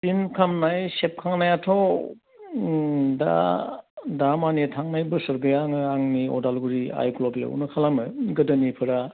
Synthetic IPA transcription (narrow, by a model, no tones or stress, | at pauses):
sinkʰamnajsep̚kʰaŋnajatʰow | da̰ | damanitʰaŋnajbɯsɐɾbeaŋɯaŋniɔ̰dalɡuɾia̰jklobea̰ṵnɯkʰalamɯɡɯdɐnipʰɯɾa